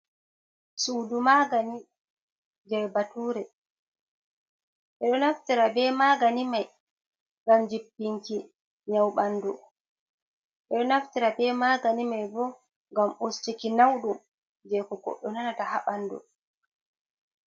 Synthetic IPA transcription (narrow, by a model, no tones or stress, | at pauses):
suːdumaɡani | d͡ʒɛɾbatuːɾɛ | ʔɛɗɔnaftiɾabɛmaɡanimaj | ŋɡamd͡ʒipːiŋki | ɲawɓandu | ʔɛɗɔnaftiɾabɛmaːɡanimajbɔ | ŋɡamost͡ʃikinawɗum | d͡ʒɛkɔɡɔ̰ɗːɔnanatahaɓandɔ̰